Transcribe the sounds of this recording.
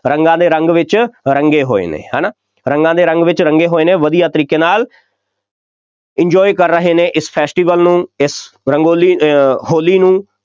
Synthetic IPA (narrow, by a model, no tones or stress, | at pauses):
ɾəŋɡãːd̪eːɾəŋɡʋɪt͡ʃɾəŋɡeːɦo̰ːḛːnḛːɦɛ̰ːnaː | ɾəŋɡãːd̪eːɾəŋɡʋɪt͡ʃɾəŋɡeːɦoːeːnẽːʋəd̪ijaːt̪əɾiːkeːnaːl | ɪɲd͡ʒɔːikəɾːəɦeːneːʔɪspʰɛːsʈiːʋəlnũːɪsɾəŋɡoːliːhoːliːnũː